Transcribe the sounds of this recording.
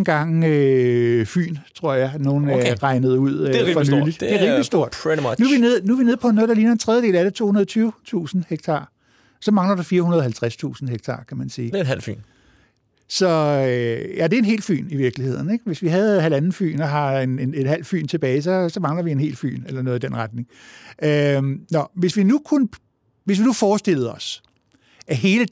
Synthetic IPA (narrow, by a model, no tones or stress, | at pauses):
ɡ̥ɑ̈ŋ̰ø | fy̰ːnt͡sʰʁo̝ɐ̰jɑ̈ɪno̝ːn̩ʁɑ̈ɪnəð̞̩ˠuð̞̰ˠfɒ̽nyːli̥e̝ʁiːmmlisd̥o̝ɐ̰d̥nuʋine̝ð̰ˠnuʋine̝ð̰ˠpʰɒ̽noːd̥ɑ̈liːnɐent͡sʰʁɛðˠjəde̝̰ːlæɾ̥et͡sʰo̝̰ːhunɐðˠt͡sʰyːʊt͡sʰṵːsn̩heɡ̥̚t͡sʰɑ̰̈ː | sɒ̽mɑ̈ŋlɐd̥ufiːɐhunɐðˠɦælt͡sʰʁast͡sʰṵːsn̩heɡ̥̚t͡sʰɑ̈ːkʰæmænsiːɦæl̰fy̰ːn | sɒ̽øjæd̥e̝æe̝nɦe̝̰ːlfy̰ːniʋiɐɡ̥lihe̝ð̞̰ˠn̩eɡ̥ʋe̝sʋiɦæð̞̩ˠɦælænn̩fy̰ːnɒɦɑ̈enene̝d̥hæl̰fy̰ːnt͡sʰe̝b̥ɛːɪs̬ɒ̽sɒ̽mɑ̈ŋlɐʋie̝nɦe̝̰ːlfy̰ːnelɐnoɔːð̩ˠid̥enʁad̥̚ne̝ŋønɒʋe̝sʋinukʰunə | ʋe̝s̬ʋinufɒːsd̥e̝l̰ð̞̩ˠɒ̽s | æɦe̝ːlə